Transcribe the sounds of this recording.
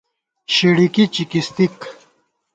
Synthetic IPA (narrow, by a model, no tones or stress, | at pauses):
ɕeɽikit͡ɕikist̪ik